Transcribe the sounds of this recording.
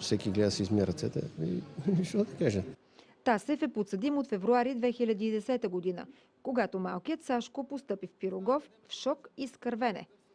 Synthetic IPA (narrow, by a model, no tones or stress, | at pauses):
fsɛkʲiɡlɛd̪əsizmiɾɐt̪sɛt̪ɛ̰ḭʃt̪ɔd̪ɐkaʒɛ | t̪asɛfɛpot̪səd̪imot̪fɛvɾuaɾid̪vɛxilʲəd̪iːd̪ɛsɛt̪əɡod̪inə̰ | koɡat̪omalˠkijət̪saʃkopost̪ɤpifpiɾoɡɔf | fʃɔkiskəɾvɛnɛ̰